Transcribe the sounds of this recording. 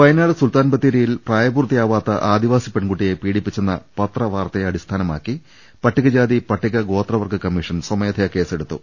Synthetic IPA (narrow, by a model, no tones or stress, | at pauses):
ʋɐjnaːɭɐsult̪aːnbɐt̪ːiɾijilpraːjɐbuːrt̪ːijaːʋaːt̪ːɐʔaːd̪iʋaːsipeɳɡuʈːije̞piːɽipːit͡ɕːenːɐ̰pɐt̪rɐʋaːrt̪ɐɐɽist̪ʰaːnɐma̰ːkːi | pɐʈːiɣɐd͡ʑaːd̪ipɐʈːiɣɐɡo̞ːt̪rɐʋɐrkɨkɐmːiʂɐnsɐmɐjɐd̪ʰʱɐjɐke̞ːse̞ɽut̪ːṵ